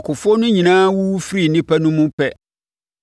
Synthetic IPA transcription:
kʰʊ˨fɔ˦nʊ̃˦ɲĩ˨nãː˦wu˦fi˦ɾi˦˨nĩ˦pʰæ˦nʊ̃˦mũ˦pʰɛ˦

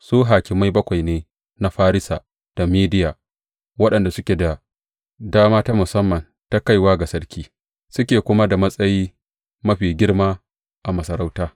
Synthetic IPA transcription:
suː˦ɦaː˨kʲɪ˨mːa˦jbɐ˦kʷa˨jneː˦ | na˦ɸaː˦ɾɪ˦sa̰ː˨ | d̥a˨miː˦dɪ˦jaː˨ | wɐ˦ɗɐ˨nda˨sʊ˦kʲe˨da˨ | daː˦maː˦taː˦mʊ˨sɐ˦mːɐ˨n | ta˦ka˦˨jwaː˦ɡa˨sɐ˦ɽkʲiː˦ | sʊ˦kʲeː˨kʷʊ˦ma˦da˨mɐ˦sʼɐ˦jiː˦ | mɐ˦ɸiː˨ɡʲɪ˦ɽmaː˦ | ʔa˨mɐ˨sɐ˨ɾa˦wtaː˦

